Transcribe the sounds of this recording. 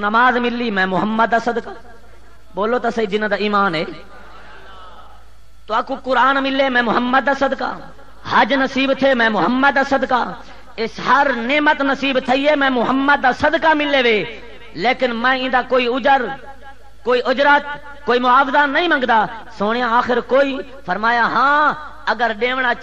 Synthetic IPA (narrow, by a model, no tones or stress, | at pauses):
nəmaːzmɪlːiːmɛ̃ːmʊɦəmːəd̪̚d̪aːsəd̪kaː | boːloːt̪aːsəiːd͡ʒɪnãd̪aːiːmaːnɦeː | t̪oaːkukʊɾaːnmɪlːeːmɛ̃ːmʊɦəmːəd̪̚d̪aːsəd̪ka̰ː | həd͡ʒnəsiːbt̪ʰeːmɛ̃ːmʊɦəmːəd̪d̪aːsəd̪kaː | ɪsɦəɾneːmət̪nəsiːbt̪ʰəiːɦeːmɛ̃ːmʊɦəmːəd̪̚ːaːsəd̪kaːmɪlːeːʋeː | leːkɪnmɛ̃ːɪ̃ːd̪aːkoːiːʊd͡ʒəɾ | koːiːʔʊd͡ʒɾət̪ | koːiːmʊaːbzaːəĩːmə̃ŋɡd̪aː | soːɳɪjãːaːxɪɾkoːiː | pʰəɾmaːjaːɦãː | əɡəɾɗẽːʋɳaː